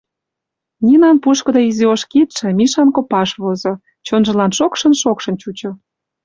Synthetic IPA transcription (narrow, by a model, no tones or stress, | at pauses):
nʲinɑnpuʃkɤ̆d̪ɑizioʃkit̪ʃĕmiʃɑnkopɑʃβozo | t͡ɕonʒə̆lɑnʃokʃə̆nʃokʃə̆nt͡ɕut͡ɕŏ